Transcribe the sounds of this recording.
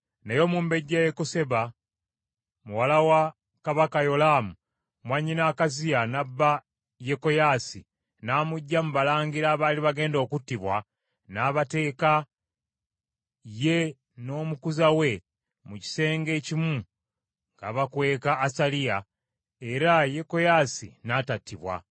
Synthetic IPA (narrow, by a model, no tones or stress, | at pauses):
nejo̞muːmbe̞ɟːajekose̞βa | muwalawa | kaβakajo̞lamu | mwaɲːinaːkazianabːa | je̞ko̞jaːsi | naːmuɟːamuβalaːɲɡiɾaːβaːliβaɡe̞ːndo̞ːkutːiβwa | naːβate̞ːka | je̞ | no̞ːmukuzawe̞ | muci̥se̞ːŋɡe̞ːcimu | ŋɡaβakwe̞ːkaːsalija | e̞ɾajeko̞jasḭnatatːiβwa̰